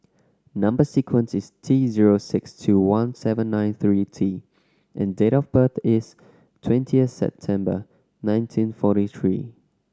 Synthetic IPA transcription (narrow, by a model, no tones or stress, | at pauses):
nʌ̃mbəsikʰwə̃nsɪstʰiziɹosɪkstʰuwãnsɛvə̃nːãɪ̃nθɹitʰi | ʔɛ̰̃ndeɾɔfbəθɪs | tʰwɛ̃ntʰiəθsɛ̰p̚tʰɛ̃mbə̰ | nãɪ̃ntʰĩnfɔɾiθɹḭː